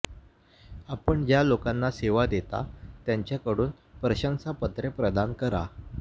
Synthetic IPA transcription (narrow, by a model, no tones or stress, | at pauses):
apəɳd͡ʑjalokanːaseʋad̪et̪a̰t̪jaɲt͡ɕjakəɽuːn | pɾəɕəŋsapət̪ɾepɾəd̪ankəɾa̰